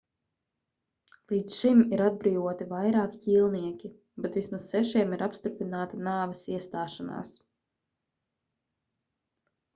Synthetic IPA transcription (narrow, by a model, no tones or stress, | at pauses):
lˠiːt̪sʃimiɾad̪̚bɾiːvuɔt̪ivajɾaːkciːlˠniɛkʲi | bɛt̪vʲismasːɛʃiɛmiɾapst̪uɾpʲɾinaːt̪anaːvɛsiɛst̪aːʃana̰ːs